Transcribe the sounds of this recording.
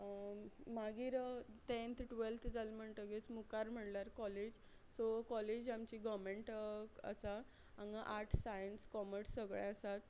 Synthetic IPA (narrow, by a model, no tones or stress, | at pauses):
maɡiːɾt̪ẽnt̪ʰʈʋelt̪ʰd͡zalm̤əɳt̪əɡet͡smukaɾm̤əɳlaɾkɔled͡ʑ | sɔkɔled͡ʑamt͡ɕiːɡɔmeɳʈə̰sa | ãŋɡaʔaʈʰsajənskɔməɾsːəɡɭɛ̃əsat̪̚